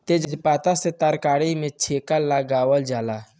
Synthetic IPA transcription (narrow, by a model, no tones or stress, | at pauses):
t̪ed͡ʒd͡ʒpaːt̪aset̪əɾkaːɽimẽt͡ʃʰeːkalːaɡaːʋəld͡ʒaːla